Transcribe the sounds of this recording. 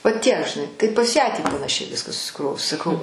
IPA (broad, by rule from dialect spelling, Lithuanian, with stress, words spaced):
ʋɐˈtʲiɛk ʒʲɪˈnɐɪ ˈtɐɪ pɐs ˈjæː tʲiː pɐnɐˈʃʲɛɪ ˈʋʲɪskɑː sʊsʲɪˈkroːʋʊs sɐˈkɐʊ